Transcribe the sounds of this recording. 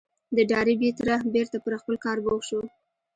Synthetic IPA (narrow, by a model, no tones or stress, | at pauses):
d̪əɖɑɾibet̪ɾahbeɾt̪apəɾxpəlkɑɾboɣʃo